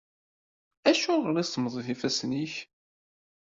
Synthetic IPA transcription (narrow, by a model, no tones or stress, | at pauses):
æʃuʁəɾˤisməðˤiθifæsniç